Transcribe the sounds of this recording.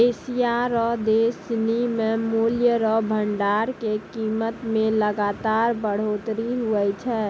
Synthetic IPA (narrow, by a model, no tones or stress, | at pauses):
esijaɾɔɦd̪esnimemuljəɾɔbʱəɳɖaɾkekiːmət̪mẽləɡat̪aːɾbəɽ̤oːt̪ɾiɦuɛt͡ʃʰɛː